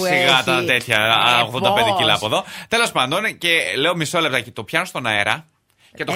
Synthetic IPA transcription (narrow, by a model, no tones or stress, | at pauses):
siɣɐt̪ɐt̪et̪çɐoɣðond̪ɐɐend̪ecilɐpoðo̞t̪e̞lo̞spɐnd̪o̞ncele̞omisolept̪ɐcit̪opçɐnost̪o̞nɐeɾɐ | ce̞t̪o